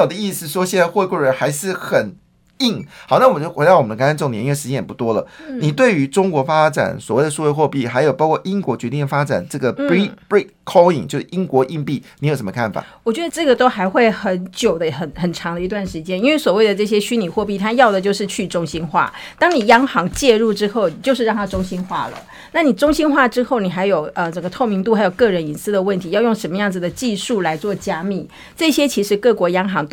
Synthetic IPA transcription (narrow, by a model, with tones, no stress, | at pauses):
ɑ˨˩d̪ə˦i˥˧s̩˧˩ʂwɔ˥ɕjɛ˥˧n˥˧xwe˥˧ɪkwu˥˩ɻə˧˦nxa˧˥ɪʂɻ̩˥˩xə˨˩n | i˥˩ŋxɑ˨˩ʊna˥˩wɔ˨˩t͡ɕxwe˧˥d̪ɑ˥˩ʊɔ˨˩m˦nə˧ka˥na˥nʈ͡ʂo˥˩ŋt̪jɛ˧˥˧ʂ̩ɻ̩˧t͡ɕɛ˥njɛ˨˩pu˧˩t̪wɔ˥lə̰˨ni˨˩t̪we˥˩ɪy˧˥ʈ͡ʂʊ˥ŋkwɔ˧˥fa˥ʈ͡ʂa̰˨˩nswɔ˨˩we˥˩ɪd̪ə˩ʂu˥˧we˥˧ɪxwɔ˥˧pi˥˩xa˧˥ɪjo˨˩ʊpɑ˥ʊkʰɔ˥˩ʔi˥ŋkwɔ˧˥t͡ɕɥɛ˧˥t̪i˥˩ə˩fa˥ʈ͡ʂa̰˨˩nʈ͡ʂɤ˥˩ɡə˩i˥pɹi˥tkʰːo˥ḭ˨˩ŋt͡ɕjo˥˧ʊʂɻ̩˥˩ʔi˥ŋkwɔ˧˥ʔi˥˧ŋpi˥˩ni˧˥jo˨˩ʂ̬ə˧˦mə˧kʰa˥˩nfa̰˨˩wɔ˨˩t͡ɕɥɛ˧˥d̪ə˧ʈ͡ʂɤ˥˩ɡə˩t̪o˥ʊxa˧˥ɪxwe˥˩ɪxə˧˦˥nt͡ɕjo˨˩ʊd̪ə˦xə˨˩nxə˨˩nʈ͡ʂʰɑ˧˥ŋd̪ə˧i˧t̪wa˥˩nʂɻ̩˧˥t͡ɕjɛ˥ni˥nwe˥˩ɪswɔ˨˩we˥˩ɪd̪ə˩ʈ͡ʂɤ˥˩ɕ̬jɛ˥ɕy˥ni˨˩xwɔ˥˧p̬i˥˩t̪ʰa˥jɑ˥˩ʊd̪ə˩t͡ɕjo˥˧ʊʂɻ̩˥˧t͡ɕʰy˥˩ʈ͡ʂʊ˥ŋɕi˥nxwa̰˥˩t̪ɑ˥ŋni˨˩jɑ˥ŋxɑ˧˥ŋt͡ɕjɛ˥˧ɻu˥˩ʈ͡ʂɻ̩˥xo˥˧ʊt͡ɕjo˥˧ʊʂɻ̩˥˧ɻɑ˥˩ŋt̪ʰa˥ʈ͡ʂʊ˥ŋɕi˥nxwa̰˥˩lə̰˩ | na˥˩ni˨˩ʈ͡ʂʊ˥ŋɕi˥nxwa˥˩ʈ͡ʂɻ̩˥xo˥˩ʊni˨˩xa˧˥ɪjo˨˩ʊə˧ʈ͡ʂə˧˩ŋɡə˧t̪ʰo˥˩ʊmi˧˥ŋt̪̬u˥˩xa˧˥ɪjʊkɤ˥˩ɻə˧˥ni˨˥nsɹ̩˥d̪ə˨wə˥˩nt̪ʰi˧˦jɑ˥˧ʊjʊ˥˩ŋʂə˧˥nmə˧jɑ˥˩ŋd͡z̩˩d̪ə˩t͡ɕi˥˧ʂu˥˩la˧˥ɪt͡swɔ˥˩t͡ɕja˥mi˥˩ | ʈ͡ʂɤ˥˩ɕjɛ˥t͡ɕʰi˧˥ʂɻ̩˧˥kɤ˥˩kwɔ˧˥jɑ˥ŋxɑ˧˥ŋt̪